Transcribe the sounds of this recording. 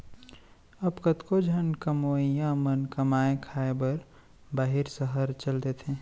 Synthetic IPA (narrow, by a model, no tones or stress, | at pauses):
əbkət̪kod͡ʒʱənkəmoːijãmənkəmaːekʰaebəɾ | baːɦiɾsəɦəɾt͡ʃəld̪et̪ʰẽ